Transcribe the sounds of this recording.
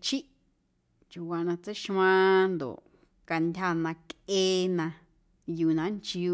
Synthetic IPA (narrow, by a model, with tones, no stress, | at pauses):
t͡ʃʰi˦ | t͡ʃu˧˨wa˧nã˧t͡se˦ʃã˧nd̪o̰˨ | ka˧ndʲa˧nã˧ke˦nã˧ | juː˨nã˨˧˦nt͡ʃi˧u˧